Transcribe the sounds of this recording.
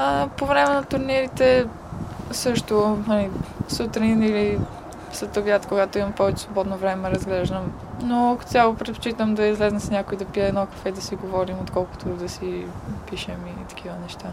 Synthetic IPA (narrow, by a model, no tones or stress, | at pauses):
əpovɾɛmɛnɐt̪ʊɾniɾit̪ɛ | sɤʃt̪ʊnɐlisut̪ɾinili | slɛt̪oɡjat̪koɡat̪oimɐmpɔvɛt͡ʃɛ̥svobɔd̪novɾɛmɛɾɐzɡlɛʒd̪əm | noɐkt̪ʲalˠopɾɛt̪̚po̥t͡ʃit̪əmd̪ɐizlɛznɐsnʲakoid̪ɐpiɛːnɔkɐ̥fɛd̪ɐsiɡovɔɾimot̪kɔlˠkʊ̥t̪ʰod̪ɐsipiʃɛmit̪ɐ̥k̟ʰivənɛʃt̪a